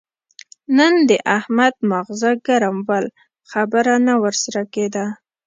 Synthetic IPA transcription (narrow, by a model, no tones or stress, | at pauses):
nənd̪əʔahmad̪̚maɣzaɡaɾamwal | xabəɾanawəɾsaɾaked̪a